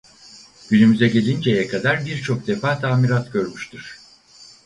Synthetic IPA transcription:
ɟ̥ynymyzɛɟe̞lʲind͡ʒejɛkʰad̪aɾbiɾt͡ʃʰo̞k̚d̪e̞faːt̪ʰaːmiɾat̪ɟø̞ɾmyʃt̪ʰiɾ̥

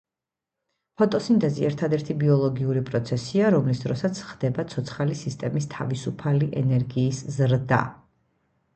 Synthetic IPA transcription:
pʰɔt̪ʼɔsint̪ʼɛziɛɾt̪ʰad̪ɛɾt̪ʰibiɔlˠɔɡiuɾipʼɾɔt̪sʰɛsiaɾɔmlisd̪ɾɔsat̪sʰχd̪̥ɛbat̪sʰɔt̪sʰχalisist̪ʼɛmist̪ʰavisupʰaliʔɛnɛɾɡiːszɾd̪a̰

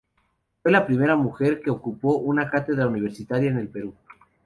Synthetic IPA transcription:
fwe̞lapɾime̞ɾamuxe̞ɾke̞okupo̞ʔunakat̪e̞ðɾauniβ̞e̞ɾsit̪aɾjaene̞lpe̞ɾu

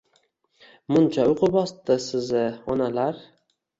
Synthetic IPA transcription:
mʊnt͡ʃʰaʊqʰɨbɒst̪ɪsɪzɪɒnalaɾ

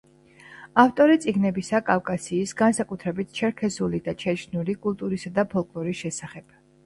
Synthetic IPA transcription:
aft̪ʼɔɾit̪sʼiɡnɛbisakʼafkʼasiːsɡansakʼut̪ʰɾɛbit̪ʰt͡ʃʰɛɾkʰɛzulid̪at͡ʃʰɛt͡ʃʰnulikʼulˠt̪ʼuɾisad̪apʰɔlˠkʼlˠɔɾisʃɛsaχɛb̥

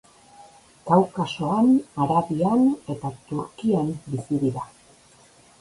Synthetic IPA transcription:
kawkaso̞anaɾaβiane̞t̪at̪uɾkiambisiðiɾa

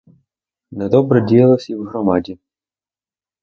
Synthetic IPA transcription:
nɛd̪ɔbɾɛdʲijɐlˠɔsʲiwɦɾɔmɑdʲi

